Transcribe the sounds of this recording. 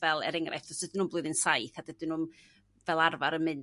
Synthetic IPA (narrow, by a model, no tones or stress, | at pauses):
vɛlˠɛ̰ɾɛŋrʔa̰jfd̥ɔsd̥ədɪnumblˠʊɨðɨnsajθadədɪnum | vɛlˠarvaɾənmɨn